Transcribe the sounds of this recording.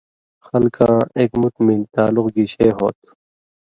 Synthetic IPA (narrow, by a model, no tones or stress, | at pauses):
xɐlkʰãːeːkmʊt̪milt̪aːlʊqɡiːɕeːɦo̰ːt̪